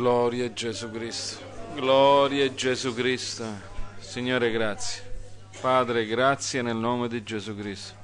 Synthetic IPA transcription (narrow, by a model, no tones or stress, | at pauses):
lɔɾjad͡ʒezukɾist̪o̥ | ɡlɔɾjad͡ʒezukɾist̪o | siɲːoːɾeɡɾat̪sːje | paːd̪ɾeɡɾat̪sːjenelnɔːmed̪id͡ʒezukɾist̪o̥